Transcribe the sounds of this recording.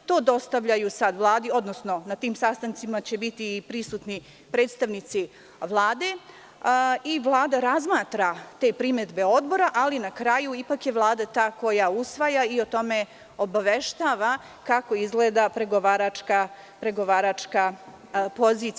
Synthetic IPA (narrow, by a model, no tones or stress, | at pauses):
t̪o̞ːd̪o̞st̪aʋʎajusad̪ʋlˠaːd̪io̞d̪nosno̞nat̪iːmsast̪ant̪simat͡ɕe̞bit̪iːpɾisuːt̪ni | pɾeːt̪st̪aʋnit̪si | ʋlˠaːd̪e̞ | iʋlˠaːd̪aɾazmaːt̪ɾat̪e̞pɾiːmed̪be̞o̞d̪bo̞ɾaʔalinakɾajuipakje̞ʋlˠaːd̪at̪aːko̞jausʋajaio̞t̪o̞me̞ | obaʋeʃt̪aːʋa | kako̞izɡled̪apɾe̞ɡoʋaːɾat͡ʃka | pɾe̞ɡo̞ʋaːɾat͡ʂka | po̞ziːt̪